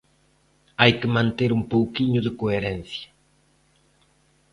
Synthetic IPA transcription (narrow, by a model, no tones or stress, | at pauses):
ajkɪmãnt̪eɾumpowkiɲʊðɪkoeɾɛnθjɐ